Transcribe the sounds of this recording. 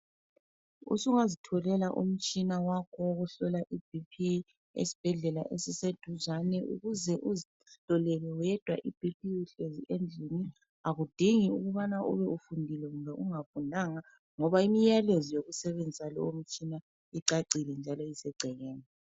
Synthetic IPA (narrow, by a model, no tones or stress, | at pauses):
ṵsuŋazitʰɔlɛlaʔṵm̩t͡ʃʼinawakʰɔɣuɬɔlaʔib̥ipʰi | ḛsi̥b̥ʱɛɮɛla̰ʔesised̥ʱuzanɛʔṵɣuzɛʔuzi | tʼɔlɛlɛwɛd̥ʱwaʔib̥ʱip̚ʰiwuɬeziʔend͡ɮʱini | aɣud̥ʱiŋiuɣuβanaʔṵβɛufundʱilɛɣumbʱɛʔuŋafunaŋa | ŋɔβaimijalezijoɣusɛβend͡zʱisalɔ̰om̩t͡ʃʼina | iǀaǀilɛnd͡ʒʱalɔisɛɡ͡ǀʱɛɣɛːnɛ